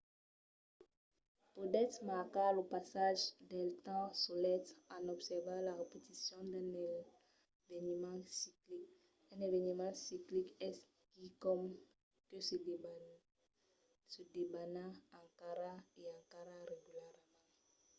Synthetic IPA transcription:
pud̪ɛt̪maʁkalopasaʒd̪ɛlt̪ɑ̃solɛt̪ãnɔbsɛʁvãlaʁepet̪isjɔ̃d̪ɛ̃n | venimɑ̃siklik̚ | ɛ̃nevenimɑ̃siklikɛs | kikɔm | kəs | səd̪ebanãːkaɾaeãkaʁaʁeɡylɛʁm̃

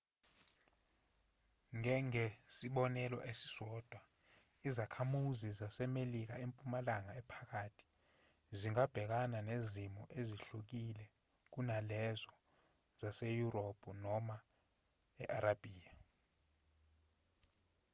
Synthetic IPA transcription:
ŋɛŋesiɓɔnɛlɔ̰ʔesi̥sɔːd̥ʱwa | izakʰamuzizasɛmelik̬aempʼumalaŋaɛpʰḁk̬atʰi̥ | ziŋab̥ʱɛk̬ananezimɔʔeziɬuk̬ilɛ | k̬unalɛzɔ | z̥asejuropʰʼunɔma | ɛʔaɾab̥ʱiːa

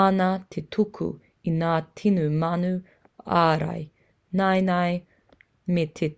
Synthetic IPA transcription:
anɐt̪ʰetʰukʰṵ | inaːtʰinumɐnu | aːɾɐ̰j | nɐjnɐj | met̪ʰe

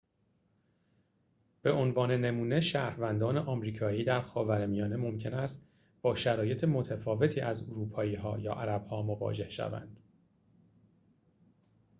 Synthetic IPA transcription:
b̥e̞ʔonvɒːnene̞muːne̞ʃæːɾvænd̪ɒːneʔɒːmɾiːkʰɒːiːd̪æɾxɒːvæɾmijɒːne̞mo̞mcʰe̞næst̪ | b̥ɒːʃæɾɒːje̞t̪ʰemo̞t̪ʰæfɒːve̞t̪ʰiːʔæzoɾuːpʰɒːiːɦɒːjɒ̰ːʔæɾæb̥hɒːmo̞vɒ̰ːd͡ʒe̞hʃæ̰væ̰nd̪̥

